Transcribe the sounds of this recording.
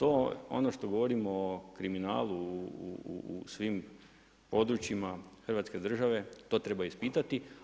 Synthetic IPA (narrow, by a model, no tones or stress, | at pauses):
t̪oːo̞̰noʃt̪o̞ɡoʋo̞ɾimokɾimina̰ːlˠuuṵsʋiːm | po̞d̪ɾut͡ɕimaxr̩ʋat̪ske̞d̪r̩ʒaʋe̞t̪o̞t̪ɾe̞baispit̪at̪i